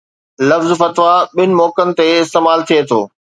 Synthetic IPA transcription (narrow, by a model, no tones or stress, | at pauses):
lɐfzfɐt̪ʋaɓɪnɪ̆mɔːkənɪ̆t̪eɪst̪eːmaːlt̪ʰijet̪ʰo̰ː